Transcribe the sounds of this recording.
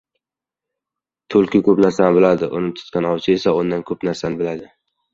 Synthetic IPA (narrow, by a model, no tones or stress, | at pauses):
t̪ʰolˠkʲɪkʲɵpnaɾsanɪbɪlad̪ɪʔo̰nɪp̚t̪ʰʊ̥t̪kʲanɒwt͡ʃʰɪesaond̪ankʰɵpnaɾsanɪbɪlad̪ɪ